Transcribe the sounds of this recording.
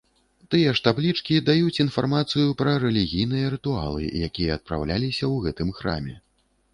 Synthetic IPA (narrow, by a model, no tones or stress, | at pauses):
t̪ɨjɐʂt̪ablʲit͡ʂkʲid̪ajut͡sʲinfarmat̪sɨjupɾɐɾɛlʲiɣʲijnɨjɐɾɨt̪ua̰lˠɨ̰jakʲijɐːt̪̚pɾa̰wlʲalʲisʲɐwɣɛt̪ɨmxɾa̰mʲɛ